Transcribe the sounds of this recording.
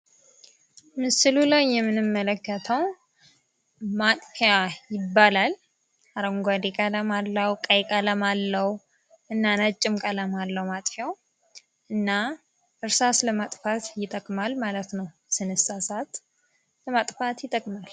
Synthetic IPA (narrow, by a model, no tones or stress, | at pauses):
mɨsɨlulajːɛmːɨnɨmːələkːət̪ʰəw | mat̪ʼfjajɪbːalal | aɾəŋɡʷad̪ekʼələmalːəwkʼəjkʼələmalːəw | ʔɨnːanət͡ʃʼːɪmkʼələmalːəwmat̪ʼfjaw | ʔɨnːa | ʔɨɾsasləmat̪ʼfat̪jɪt̪ʼəkʼmalmalət̪nəw | sɨnɨsasat̪ | ləmat̪ʼfat̪jɪt̪ʼːəkʼmal